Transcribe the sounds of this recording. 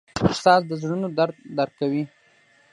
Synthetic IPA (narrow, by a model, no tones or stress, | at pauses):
st̪ɑsd̪əzɽunod̪aɾd̪aɾkawi